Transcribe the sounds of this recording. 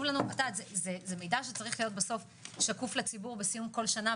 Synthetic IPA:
uvlanuatatzezezemejdaʃet͡saʁiχlijo̞t̚beso̞f | ʃakuflet͡sibuʁbesijumko̞lʃana

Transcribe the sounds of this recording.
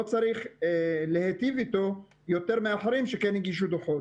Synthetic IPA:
ot͡saʁiχlehet̪ivit̪o̞ | jo̞t̪eʁmeaħaʁimʃekɛniɡiʃ̬ud̪oχo

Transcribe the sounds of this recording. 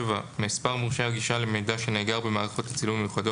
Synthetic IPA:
vamːspaʁmuʁʃaɡiʃalemejd̪aʃe̞neːɡaʁbemaːʁaχo̞t̪at͡silumejuχad̪o

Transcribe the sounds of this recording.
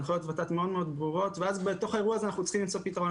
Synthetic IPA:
χojo̞t̪vat̪at̪meo̞d̪meod̪bʁuʁo̞t̪veazbet̪o̞χae̞ʁuazeanaχnut͡sχimlimt͡sopit̪aʁo̞

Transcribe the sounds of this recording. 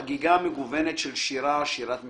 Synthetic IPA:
ɡiɡameɡuvenet̪ʃelʃiɾaːʃiɾat̪m

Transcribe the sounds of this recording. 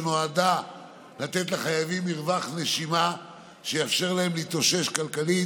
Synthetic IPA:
noad̪a | lat̪e̞t̪laχajavimːiʁvaχneʃima | ʃejafʃe̞ʁlaemlit̪oʃe̞ʃkalkali

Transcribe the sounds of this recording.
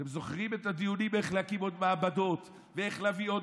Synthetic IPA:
emzo̞χʁimet̪ad̪ijunimeχleakimo̞d̪̚maabad̪o̞t̪ | vee̞χlaːviod

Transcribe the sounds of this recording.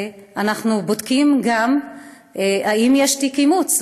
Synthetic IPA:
ʔanaχnubodkimɡam | haimjeʃtikimut͡s

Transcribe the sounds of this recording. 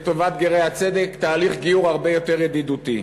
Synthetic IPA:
t̪ovat̪ɡeʁejhat͡sed̪ekt̪aːliχɡiuʁaʁbejo̞t̪e̞ʁjad̪id̪ut̪i

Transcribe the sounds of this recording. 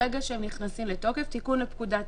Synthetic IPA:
eɡaʃeemniχnasimleto̞ke̞ftikunlepkudat

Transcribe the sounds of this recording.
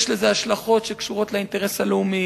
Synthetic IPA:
ʃleze̞aʃlaχo̞tʃe̞kʃuʁo̞tlainte̞ʁesaleumi

